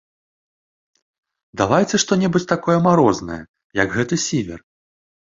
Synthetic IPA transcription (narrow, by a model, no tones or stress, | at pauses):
d̪avajɛt͡sʲɨʂt̪ɔnʲɛbut͡sʲt̪akɔjɐmaɾɔznɐ̰jɐ̰ | jɐɡɣɛt̪ɨsʲivʲɛ̰r